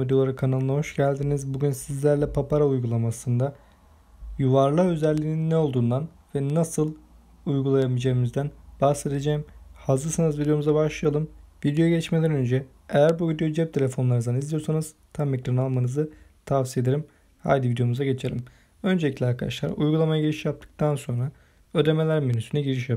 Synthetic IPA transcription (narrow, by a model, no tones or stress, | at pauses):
id̪ejo̞lˠaɾɯkʰanalˠɯnaɦo̞ʃɟælʲd̪inizbuɟynsizlʲæɾlʲɛpʰapaɾaujɡulˠamasɯnd̪a | juvaɾlˠaøzælʲːiːninːɛo̞lˠd̪uːnd̪an | vɛnːasɯlˠ | ujɡulˠajamid͡ʒeimizd̪ænb̥ahse̞d̪ed͡ʒejimhazɯɾsɯnɯzvid̪eo̞muzabaʃlˠɯjalˠɯmvid̪ejoeɟɛt͡ʃmelʲɛɾnø̞nd͡ʒɛ | ejæɾbuvid̪ejod͡ʒɛp̚t̪ʰe̞lʲe̞fo̞nlˠaɾnzanizlʲijo̞ɾsanɯz̥ | t̪ʰamekɾanalˠmanɯzɯt̪ʰafsije̞d̪eɾʲim | ha̰ɾd̪ivid̪ejo̞muzaɟe̞t͡ʃʰe̞lʲim | ø̞nd͡ʒeicʲlʲɛaɾkʰad̪a̰ʃlˠa̰ɾujɡulˠamajaɟeɾʲiʃijap̚t̪ʰɯ̥k̚t̪ʰanso̞nɾa | ød̪e̞me̞lʲæɾminysynɛɟeɾiʃja